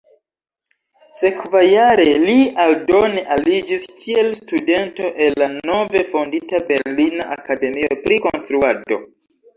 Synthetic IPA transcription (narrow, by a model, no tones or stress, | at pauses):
se̞kvajaɾe̞lialdo̞neʔalid͡ʒiskʰie̞lstude̞nto̞ʔe̞lːano̞ve̞fonditabe̞ɾlina̰ʔakade̞miopɾiko̞nstɾuado̞̰